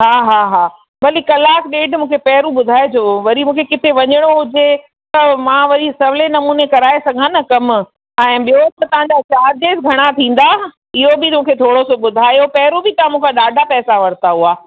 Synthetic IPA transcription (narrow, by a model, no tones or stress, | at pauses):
ɦaːɦaːɦaː | bɐlikɐlaːkɗeːʈmũːkʰepɛɦɾũɓʊd̪ʱaːed͡ʑoːʋɐɾimũːkʰekɪt̪eʋɐɲəɽ̃oɦʊd͡ʑe | t̪ɐmãʋɐɾisɐʋlenɐmuːnekɐɾaːesɐɡʱãnɐkɐm | ɛ̃ːɓijot̪ɐt̪ɐʋ̤ãɲd͡ʑat͡ɕaːɾd͡ʑeːsɡʱɐɽ̃at̪ʰĩːn̆d̪a | ɪɦobɪmũːkʰet̪ʰoːɽosoɓʊd̪ʱaːjopɛɦɾubɪt̪ɐãmũːkʰaɗaːɖʱapɛːsaʋɐɾt̪aɦuaː